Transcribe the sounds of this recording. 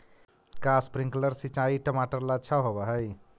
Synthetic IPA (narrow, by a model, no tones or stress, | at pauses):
kaspɾĩŋkləɾsit͡ʃaiʈəmaʈəɾlat͡ʃʰaɦobəɦəj